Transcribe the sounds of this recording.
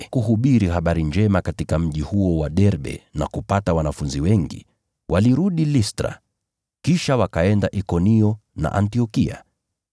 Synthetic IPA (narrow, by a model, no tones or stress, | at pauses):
kuɦuɓiɾiɦaɓaɾiɲd͡ʒɛmakatikam̩ʄihuɔwaɗɛɾɓɛ̰na̰kupatawanafunziwɛŋɡḭ | wʔaliɾuɗilistɾa̰ | kiʃawakaɛndaʔikɔniɔna̰ʔantiɔkia̰